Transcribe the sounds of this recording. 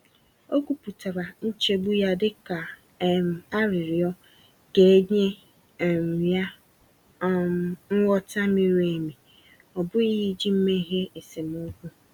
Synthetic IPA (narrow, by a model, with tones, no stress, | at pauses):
o˦kʷu˦pu˨ta˨ɾa˨n̩˦t͡ʃe˦bu˦ja˦dɪ˦ka˨ | m˨a˦ɾɪ˨ɾɪ˨ɔ˦ | ke˨˦ɲe˦˨ | m̩˨wja˦ | ŋ̩˦wɔ˦ta˦me˦ɾe˨mi˨ | ɔ˨bʊ˦i˦ɦi˦d͡ʒi˦m̩˦me˦ɦe˦e˨se˨m˨o˦kʷu˦